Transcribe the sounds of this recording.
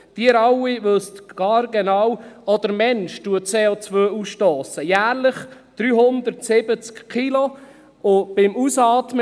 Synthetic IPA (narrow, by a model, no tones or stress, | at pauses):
d̥iəɾɑwivɵst̪ɡ̥ɑːɾɡɛnɑwɔd̪̥əɾmɛnʃtuət͡seːot͡svøːusʃtoːsəjæːɾləχd̪̥ɾyːɦʊnd̪əɾtsɪbət͡skkʰilo | ʊb̥ɪmusɑːt̪m